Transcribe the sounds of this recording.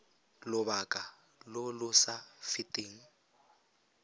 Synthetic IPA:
lʊbakʼa | lʊlʊsafitʼɪːŋ̩

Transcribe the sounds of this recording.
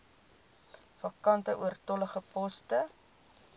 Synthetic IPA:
fɐkɐntəʔuərtɔləχəpɔstə

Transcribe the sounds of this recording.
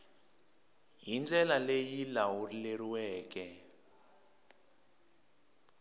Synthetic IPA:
jind͡ɮʱɛlalejilawuleriwɛːk̬ʼɛ

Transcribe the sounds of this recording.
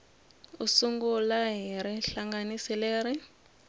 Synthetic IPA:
usuŋɡulaɦiɾiɬaŋɡanisileːɾi

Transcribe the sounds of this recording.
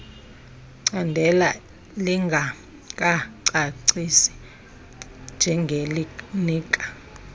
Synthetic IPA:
ǀandʱɛla | liŋɡʱa | kʼaǀaǀisi̥ | nd͡ʒʱɛŋɡʱelniːkʼḁ

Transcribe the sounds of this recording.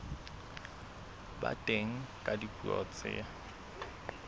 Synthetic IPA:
ba̰tʼeŋ̩kʼadikʼuɔ̰t͡sʼɪ̰a

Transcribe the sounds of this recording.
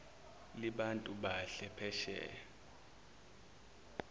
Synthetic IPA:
liɓantʼuɓaɬɛpʰɛʃɛ̰

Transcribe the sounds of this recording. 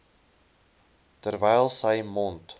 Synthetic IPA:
tərvɛjlˠsəjmɔnt

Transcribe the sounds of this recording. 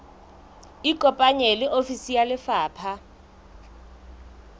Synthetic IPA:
ikʼɔpʼaɲelɪʔofisijalɪfaːpʰa

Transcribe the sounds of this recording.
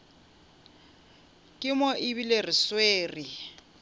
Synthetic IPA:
kʼɪmɔʔɪβilerɪsweːri

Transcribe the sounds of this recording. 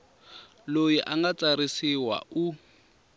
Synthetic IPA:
lojiʔaŋɡat͡saɾisiwa̰u

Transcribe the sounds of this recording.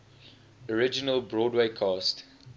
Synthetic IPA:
ɔɹɪd͡ʒɪnəlbɹɔːdweɪkʰɑːst

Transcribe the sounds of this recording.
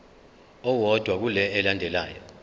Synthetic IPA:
ɔwɔd̥ʱwak̬ulɛːlandʱɛla̰ːjɔ

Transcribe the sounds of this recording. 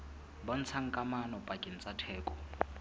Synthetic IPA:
bɔn̩t͡sʰaŋ̩kʼamanɔpʼakʼɪn̩t͡sʼatʰɛːkʼɔ

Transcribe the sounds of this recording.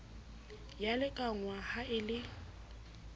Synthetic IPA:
jalɪkʼaŋwahaɪlɪ

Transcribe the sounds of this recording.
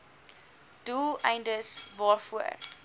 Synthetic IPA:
d̥ulˠɛ̰jndəsvɑːrfuər

